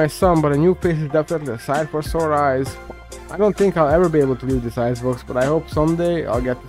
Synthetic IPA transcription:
aɪsʌ̃nbʌɾɨnjupʰeɪs̬ɨzdɛfənətˡliəsaɪd̥fə˞sɔɹaɪz̥ | aɪɾõʊ̃nθɪ̃ŋkaɪlˠɛvə˞bieɪbl̩ˠtʰəlivðɪsaɪzbʊksb̥ʌɾaɪhoʊpsʌ̃mdeɪa̰ɪlˠɡɛt̪̚

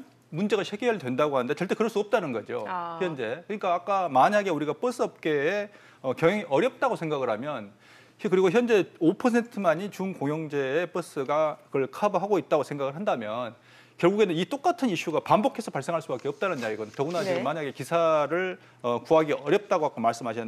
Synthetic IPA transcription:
mund͡ʑe̞ɣaɕʰeɡeɯɭtwe̞ndaɡohanɯnde̞t͡ɕʌɭt͈e̞kɯɾʌɭs͈uʌp̚t͈anɯnɡʌd͡ʑo̰çjʌnd͡ʑe̞kɯɲik͈aːk͈amaɲaɡe̞uɾiɡap͈ɯs͈ɯʌp̚k͈e̞ː | ʌkjʌŋeŋiʔʌɾjʌp̚t͈aɡosʰeŋɡaɡɯɭhamjʌn | kɯɾiɡoçjʌnd͡ʑe̞opʰʌsʰe̞ntʰɯmaɲit͡ɕunkoŋjʌŋd͡ʑe̞ːp͈ɯs͈ɯɡakɯʌɭkʰabɦaɡoit̚t͈aɡosʰe̞ŋɡaɡɯɭɦandamjʌn | kjʌɭɡuɡe̞nɯnit͈ok͈atʰɯniɕ͈uɡapambokʰe̞sʰʌpaɭs͈e̞ŋɦaɭs͈ubak͈eʌp̚t͈anɯnjaiɡʌtʌɡunad͡ʑiɡɯmaɲaɡe̞kisʰaɾɯɭ | ʌkuɦaɡiʌɾjʌp̚t͈aɡoak͈amaɭs͈ɯmɦaɕʰʌn

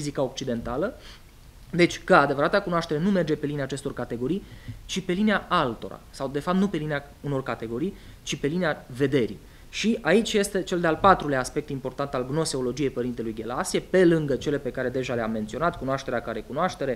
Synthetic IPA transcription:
fizikao̞k̚t͡ʃid̪e̞nt̪alə | d̪e̞t͡ʃʲkəad̪evəɾat̪akunoaʃt̪e̞ɾe̞nume̞rd͡ʒe̞pe̞lineaːt͡ʃe̞st̪o̞rkat̪e̞ɡo̞ɾijt͡ʃipe̞lineaʔalt̪o̞̰ɾa̰sawd̪e̞fap̚t̪nupe̞linea | uno̞rkat̪e̞ɡo̞ɾij | t͡ʃipe̞lineave̞d̪e̞ɾḭ | ʃiait͡ʃʲje̞st̪e̞t͡ʃe̞ld̪ealpat̪ɾuleaːspe̞k̚t̪impo̞rt̪ant̪alɡno̞seo̞lo̞d͡ʒije̞jpəɾint̪e̞lujɡʲe̞lasiepe̞lɨŋɡət͡ʃe̞le̞pe̞kaɾe̞d̪e̞ʒaleamːe̞nt̪sio̞nat̪kunoaʃt̪eɾeakaɾekunoaʃt̪e̞ɾe̞

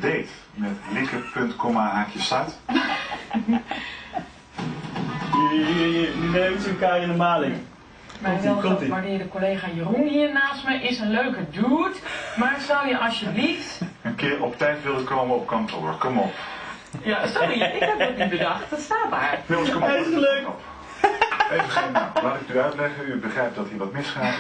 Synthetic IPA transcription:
deːt | mɛtlɪkəpøntkɔmaaːkʰjəsat | jijəənøsəkajənəmaːlɪŋ | mɛʋɪlˠʋadɪdəkoleːχajərunhiərnaːstməʔɪsənløːkəduːtmarətsɔwjəʔɔsjəbliftənkɪːɹɔptɛjtʋɪlˠəkoːməɔp̚kɑntʰo̰ːɹkɔmɔp | jasɔriɪkɛpɔdibədɑxtətstaːtdaːrɪsəəløːkp | evəalaːtɪknyœɥtlɛχəybəχrɛjp̚d̥ɔtɦiːəʋɔtmɪsχa

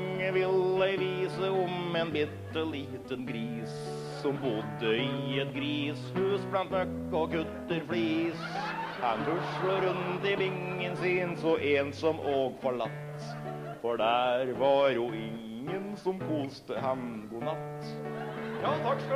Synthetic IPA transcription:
ŋːəʋɪlæɪʋiːsəɔmɛnbit̪ːəliːt̪ənɡɾiːs | sɔmbʊd̪ːəɪɛt̪ɡɾiːshʉːsblɑnt̪mœkːɔkʉt̪ːəɾfliːs | hɑnd̪ʉʂəɾʉnt̪ɪbɪŋːənsiːnsɔʔensɔmʔoːɡfɔɭɑt̪ː | fɔɖæɾʋɑɾjʊɪŋː | ənsɔmkʰuːst̪əhɑmɡʊnɑt̪ː | jɑːt̪ʰɑkskɑ

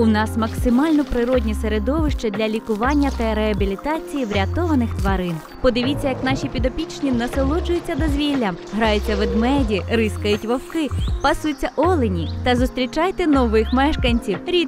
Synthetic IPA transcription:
ʊnɑsmɐksɪmɑlʲnɔpɾɪɾɔdʲnʲiseɾed̪ɔʋɪʃt͡ʃɛd̪ʲlʲɐlʲikʊʋɑnʲːɐt̪ɐɾeɐbʲilʲit̪ɑt͡sʲijiʋɾʲɐt̪ɔʋɐnɪxt̪ʋɐɾɪn | pɔd̪ɪʋʲit͡sʲːɐjɐknɑʃʲipʲid̪ɔpʲit͡ʃnʲinɐselˠɔd͡ʒʊjʊt͡sʲːɐd̪ɔzʲʋʲilʲːɐmɦɾɑjʊt͡sʲːɐʋed̪mɛdʲiɾɪskɐjʊtʲʋɐwkɪpɐsujt͡sʲːɐʔɔlˠenʲit̪ɐzʊst̪ɾʲit͡ʃɑjt̪ɛnɔʋɪxmɛʃkɐnʲt͡sʲiwɾʲi

